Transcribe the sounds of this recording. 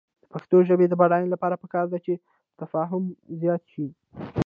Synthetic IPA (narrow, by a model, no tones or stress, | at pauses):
d̪̥əpaxt̪oʒəbed̪əbaɽɑjnlapɑɾapəkɑɾd̪at͡ʃe | t̪afɑɦʊmzjɑt̪ʃi